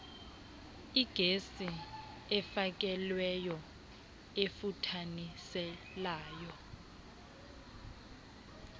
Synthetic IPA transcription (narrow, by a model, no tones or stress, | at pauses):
iɡ̥ʱesi | ɛfak̬ʼɛlwɛjɔ | efutʰanisɛ | laːjɔ